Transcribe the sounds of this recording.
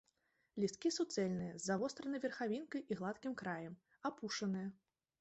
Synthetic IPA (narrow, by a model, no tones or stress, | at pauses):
lʲist̪̚kʲisut̪sɛlʲnɨjɐzːavɔst̪ɾɐnɨjvʲɛrxavʲinkɐjʔiɣlˠat̪kʲimkɾajɛm | apuʂɐnɨjɐ